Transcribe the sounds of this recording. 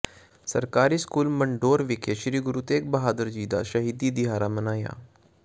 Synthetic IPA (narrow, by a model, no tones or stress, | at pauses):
sə̰ɾkaːɾiːskuːlməɳɖoːɾʋɪkʰeʃɾiːɡʊɾuːt̪eːk̚bəɦaːd̪əɾd͡ʒiːd̪a̰ːʃəɦiːd̪iːd̪ɪɦaːɾaːmənaːja̰ː